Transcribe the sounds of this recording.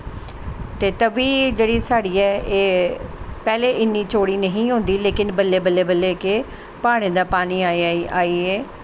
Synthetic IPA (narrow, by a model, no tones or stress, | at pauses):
t̪eːt̪əbiːd͡ʒeːɽiːsaːɽiːɛːeː | pɛːleːʔɪnːiːt͡ʃoːɽiːnəɦĩːɦõːnd̪iːleːkɪnbəlːeːbəlːeːbəlːeːke | paːɽ̃ẽːd̪aːpaːniːaːiaːiːeː